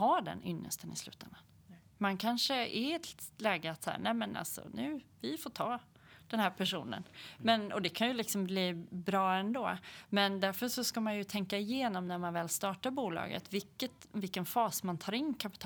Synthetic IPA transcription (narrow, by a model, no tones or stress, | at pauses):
aːɖɛ̰nʔʏnːə̰st̪ənɪ̰slʉ̟ːt̪ɛ̰nd̪a | mankʰanʂəʔɛɾɛt̪lɛːɡəat̪shæ̰ːɾnɛɪmənʔa̰lsɔ̰nʉ̟ːvɪfoːʈʰɑː | d̪̥ɛnɦæːɾpʰæʂṵːnə̰nmɛnɔd̪ɛkʰanjɵlɪksɔmbliːbɾɑːɛnd̪oːmɛnd̪æɾfœʂɔskamanjɵt̪ʰɛŋkaɪjeːnɔmnæɾmanvɛːlst̪ɑːʈaɾbuːlɑ̰ːɡə̰t̪vɪkːət̪vɪlkːənfɑːsmant̪ʰɑːɾɪnːkʰapɪ̥t̪ʰː